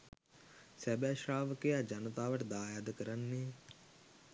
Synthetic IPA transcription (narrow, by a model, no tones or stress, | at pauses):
sæbæʃraːʋəkejad͡ʒanət̪aːʋəʈəd̪aːjaːd̪əkəɾanːeː